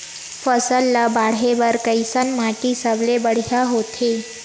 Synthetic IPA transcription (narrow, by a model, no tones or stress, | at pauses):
fəsəlːabaɽeʋəɾkəjsənmaʈisəʋlebəɽ̤jaɦot̪ʰe